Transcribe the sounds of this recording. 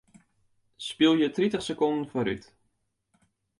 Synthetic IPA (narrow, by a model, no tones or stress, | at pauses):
spilˠjətritəχsəkɔndən̩foɾyt